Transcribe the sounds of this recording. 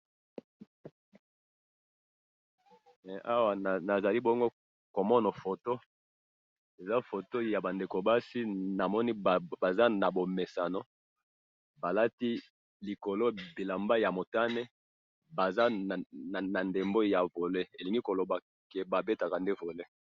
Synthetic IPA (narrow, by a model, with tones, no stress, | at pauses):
ʔa˦wa˨na˨za˨li˦bo˦ŋɡo˦ | ko˨mɔ˦no˨fo˨to˦ | e˨za˦fo˨to˦ja˨ba˨nde˨ko˨ba˦si˦na˨mɔ˦ni˦˨ba˨za˦na˨bo˨me˨sa˨no˦ | ba˨la˦ti˦ | li˨ko˨lo˦bi˨la˨mba˦ja˨mo˨ta˦ne˦ | ba˨za˦˨a˨na˨nde˨mbo˦ja˨vo˨le˦e˨li˨ŋɡi˦ko˨lo˨ba˨ | ke˨ba˨be˦ta˨ka˨nde˦vo˨le˦